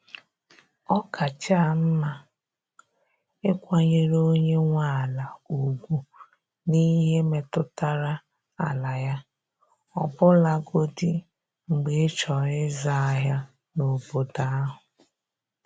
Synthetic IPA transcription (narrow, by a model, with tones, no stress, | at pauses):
ɔ˦ka˨t͡ʃa˦˨m̩˦ma˦ | ɪ˦kʷa˨ɲe˦ɾo˦ɲe˦ŋʷa˦˨la˨u˨ɡʷu˨ | ni˦ɦe˦me˨tʊ˦ta˨ɾa˦ | a˨la˨ja˦ | ɔ˨bʊ˦la˦ɡo˦di˦ | ŋ͡m̩˨ɡ͡be˨˦t͡ʃɔ˨ɪ˦za˦a˨ɦa˦ | no˨bo˨da˦a˦ɦʊ˨